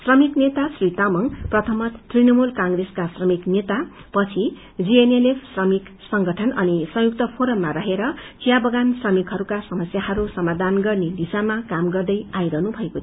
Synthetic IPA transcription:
srʌmiknet̪asrit̪amʌŋprʌt̪ʰʌmʌt̪t̪rinʌmulkaŋɡreskasrʌmiknet̪apʌt͡sʰi | d͡zienelepʰsrʌmiksʌŋɡʌʈʰʌnʌnisʌ̃ŋjuk̚t̪ʌpʰoɾʌmːaɾʌɦeɾʌt͡sijabʌɡansrʌmikɦʌɾukasʌmʌsjahʌɾusʌmad̪ʱanɡʌrned̪isamakamɡʌrd̪ʌjajɾʌɦnubʱʌeko

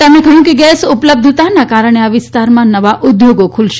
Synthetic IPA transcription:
emɽ̃ekəɦjũkeɡɛsupləb̚d̪ʱt̪anakaɾəɳ̃eaʋɪst̪aɾmãnəʋaʔʊd̪joɡokʰulʃ

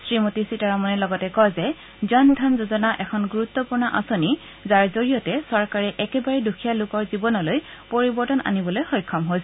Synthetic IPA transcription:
sɹimotisitaɹamɔnɛlɔɡɔtɛkɔzɛ | d͡ʒɔndʱanzozɔnaʔɛkʰɔnɡuɹut̪ːɔpuɹnɔʔa̰soni | zaɹzoɹijɔtɛsɔɹkaɹɛʔɛkɛbaɹɛdukʰijalʊkɔɹzibɔnɔloj | poɹibɔɹtɔna̰nibɔlojxɔjkʰːɔmɦojs

